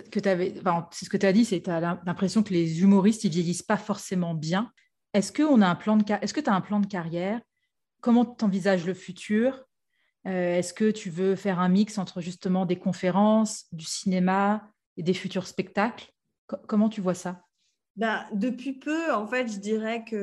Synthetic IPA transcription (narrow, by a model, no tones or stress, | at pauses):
kət̪yavɛ̃fɛ̃sɛsəkət̪yad̪isɛt̪yalɛ̃lɛ̃pχesjɔ̃kəlezymuʁist̪ivjejispafɔʁsemɑ̃bjɛ̃ | ɛskəɔ̃naɛ̃plɑ̃d̪əkaʔɛskət̪yaɛ̃plɑ̃d̪əkaʁjɛːʁ | kɔmɑ̃t̪yt̪ɑ̃vizaʒləfyt̪ʰyːʁ | øɛskət̪ʰyvøfɛʁɛ̃miksɑ̃t̪χəʒyst̪əmɑ̃d̪ekɔ̃feʁɑ̃sd̪ysinema | ed̪efyt̪yʁspɛk̚t̪akl | kɔkɔmɑ̃t̪yvwasa | bɛ̃d̪əpɥipʰøɑ̃fɛt̪ʒəd̪iʁɛkə